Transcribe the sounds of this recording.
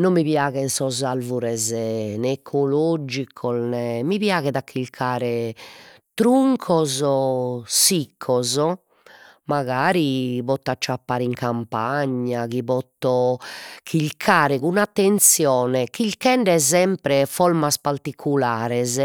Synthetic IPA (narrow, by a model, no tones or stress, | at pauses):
nomːiβjaːɣɛnsɔzalvuɾɛzɛnɛːkʰːolɔd͡ʒikʰɔlnɛmiβjaːɣɛðakʰːiʎkʰaːɾɛ | t̪ɾuŋkʰɔzɔsikʰːɔzɔ | maɣaːɾiβɔt̪ːat͡ʃːapːaːɾiŋkʰampaɲːaɣiβɔt̪ːɔkʰiʎkʰaːɾɛɣunat̪ːɛnt̪sjɔːnɛkiʎkɛɳɖɛzɛmpɾɛfɔlmaspaɾt̪ikʰulaːɾɛz